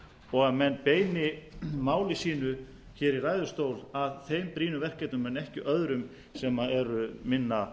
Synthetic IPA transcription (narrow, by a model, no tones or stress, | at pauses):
ɔɣaðmɛnːpeːjnɪmaːwlɪsiːnʏ | çɛːɾiraːjðʏ̥st̪oːwlaðθejmpɾiːnʏvɛr̥kɛjt̪nʏmːɛnːɛhcɪʔœðɾʏm | sɛmaɛɾʏmɪnːa